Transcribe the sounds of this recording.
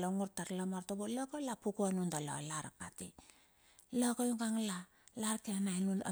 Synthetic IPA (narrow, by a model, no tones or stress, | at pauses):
loŋuɾtaɾlomaɾtobolokolapukuanundalo̰laɾapatḭ | lokojuŋɡaŋla | laɾkeanaenuna̰